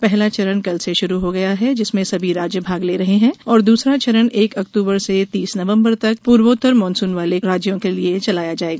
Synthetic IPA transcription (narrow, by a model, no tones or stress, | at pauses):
pɛɦlat͡ʃɐɾənkɐlseʃʊɾuɦoɡɐjaɦɛd͡ʒɪsmẽsɐbʱiɾaːd͡ʒjəbʱaːɡleːɾɐɦeɦɛ̃ɔːɾd̪uːsɾat͡ʃɐɾəneːkɐk̚t̪uːbəɾset̪iːsnɐʋə̃mbəɾt̪ɐk̚puːɾʋoːt̪əɾmɔ̃ːnsuːnʋaːleɾaːd͡ʒjõkeliet͡ʃɐlaːjad͡ʒaːeːɡaː